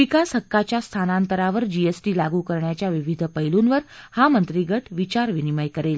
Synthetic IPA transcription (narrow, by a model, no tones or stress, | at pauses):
ikashəkːat͡ɕjast̪ʰanant̪əɾaʋəɾd͡ʑiesʈilaɡukəɾɳjat͡ɕjaʋiʋid̪ʱpəɦilunʋəɾhamənt̪ɾiɡəʈʋit͡ɕaɾʋiniməjkəɾel